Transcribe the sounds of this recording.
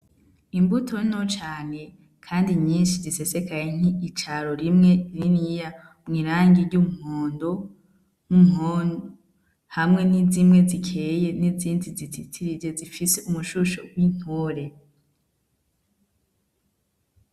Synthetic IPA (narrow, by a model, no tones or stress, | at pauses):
imbutʰo̞no̞t͡ʃaːne̞ | kʰaːndiɲɲiːnʃizise̞se̞kajeŋ̥iːt͡ʃaɾoɾimŋe̞ninija | mŋiːɾaːŋɡiɾɟumuhoːndo̞ | n̥umhon | hamŋe̞nizimŋe̞zikʰe̞je̞niziːndizitʰitʰiɾiɟezifiseumuʃuʃo̰ɡwin̥hoːɾe̞